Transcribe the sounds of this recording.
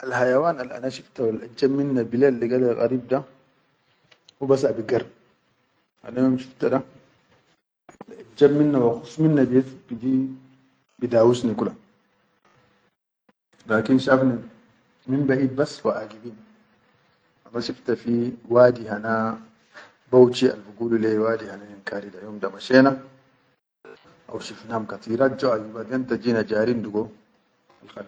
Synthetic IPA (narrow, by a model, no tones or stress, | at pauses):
ʔalhajawaːnalʔa̰naʃift̪awalʔad͡ʒːabminːabilelːiɡalalɣɑ̰ɾiːb̚d̪a | wubasabiɡaɾ | ʔa̰najoːmʃibt̪ada | alʔad͡ʒːabminːawaxufːminːabijet̪kid̪i | bid̪aːwusnikula | laːkinʃafni | minbaʔiːd̪̚basːwaʔaɡibiːn | ʔamaʃift̪afiwaːd̪iɦana | bowt͡ʃia̰lfuɡuːlulewaːd̪ihanajinkʰaːɾidajoːmdamaʃeːna | ʔa̰wʃifnamkat̪iːɾad͡ʒoʔajibad̪ent̪ad͡ʒinad͡ʒaːɾind̪uɡo | alxal